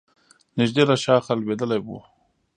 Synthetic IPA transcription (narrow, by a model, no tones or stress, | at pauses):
nɪʒd̪eɾaʃɑːxalwed̪əlajbṵ